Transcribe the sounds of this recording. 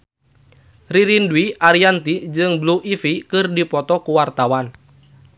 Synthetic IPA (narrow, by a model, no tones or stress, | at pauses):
riɾinduwiʔaɾiant̪id͡ʒɨŋbluʔifikɨrdipɔt̪ɔkuwart̪awan